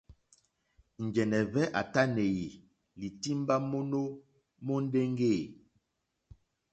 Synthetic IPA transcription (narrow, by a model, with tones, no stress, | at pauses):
n̩˨d͡ʒɛ˨nɛ˨vɛ˦ʔa̰˨ta˦ne˨ji˨ | li˨ti˦m˦ba˦mo˦no˦ | mo˦n̩˦de˦ŋ˦ɡe˦˨